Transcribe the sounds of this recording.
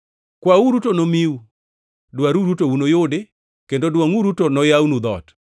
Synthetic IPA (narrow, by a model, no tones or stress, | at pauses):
kwauɾutonomiu | dwaɾuɾutounojʊde | kendodwaŋuɾutonɔjawnud̪ɔ̰t